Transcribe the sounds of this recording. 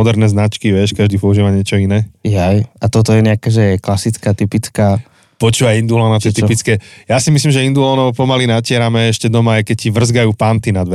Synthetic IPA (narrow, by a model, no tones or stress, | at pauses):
ɔd̪ɛɾnɛznat͡ʃkiʋɛʃkaʒd̪iːpɔuʒiːʋaɲɪɛt͡ʃɔinɛːjajat̪ɔt̪ɔjɛɲɛakɛːʒɛjɛklasit͡skaːt̪ipit͡skaː | pɔt͡ʃuːʋajind̪ulɔnat̪ɛt̪ipit͡skɛjasimislimʒɛind̪ulɔnɔʊpɔmalinacɪɛɾamɛɛʃcɛd̪ɔmaːjkɛcciʋr̩zɡajuːpant̪inad̪ʋɛ